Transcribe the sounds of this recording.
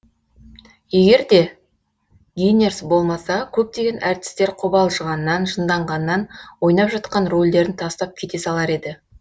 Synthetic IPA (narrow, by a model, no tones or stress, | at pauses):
je̞ɡʲe̞ɾd̪e̞ | ɡʲijne̞ɾsbo̞lˠmɑsɑkʲʰɵp̚t̪e̞ɡʲe̞nʔæɾt̪ɪ̥st̪e̞ɾqʰʊbɑlˠʒəʁɑnːɑnʒənd̪ɑɴʁɑnːɑnwo̞jnɑpʒɑt̪qɑnro̞lʲd̪e̞ɾɪnt̪ʰɑst̪ɑp̚kʲʰe̞t̪e̞sɑlˠɑɾe̞d̪ɪ